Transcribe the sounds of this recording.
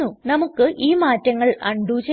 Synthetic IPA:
unɐmukːɨʔiːmaːtːɐŋːɐɭɐ̰ɳɖuːt͡ɕe

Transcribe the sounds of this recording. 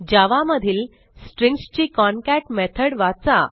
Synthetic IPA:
d͡ʑaʋaməd̪ʱiːl | sʈɾĩŋɡst͡ɕikɔnkæʈmɛt̪ʰəɽʋat͡sa

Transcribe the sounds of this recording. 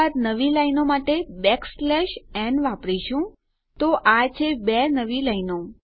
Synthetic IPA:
aɾnəʋilainomaʈebɛkslɛʃɛnʋapɽiʃũ | t̪oʔat͡ʃʰebɛnəʋilajno

